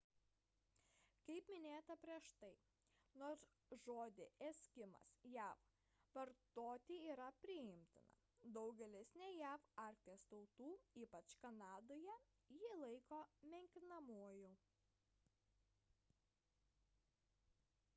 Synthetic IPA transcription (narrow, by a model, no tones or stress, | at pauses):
kɐɪpmʲɪnʲeːt̪ɐpʲɾʲiɛʃt̪ɐɪ | noːs | ʒoːd̪ʲɪɛsʲkʲɪmɐ̰sjæːf | ʋɐɾt̪oːt̪ʲiiːɾɐpʲɾʲɪɪmʲt̪ʲɪnɐ̰ | d̪ɐʊɡʲɛlʲɪsʲnʲɛjæːfɑˑɾʲkʲt̪ʲist̪ɐʊt̪uːiːpɐt͡ʃkɐnɑːd̪oːjɛ | jiːlˠɐɪkoːmʲɛŋʲkʲɪnɐmuɔjʊ